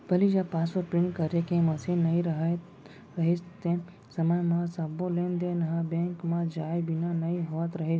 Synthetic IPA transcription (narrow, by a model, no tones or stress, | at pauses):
bɐlid͡ʒapasʋəɾpɾĩɳkəɾekẽməsenɐĩɾəɦ̪ | ɾəɦest̪ẽ | səməjmãsabolẽːnd̪enɐɦãbẽŋkmãd͡ʒaːjbinanɐiɦoʋət̪ɾəɦes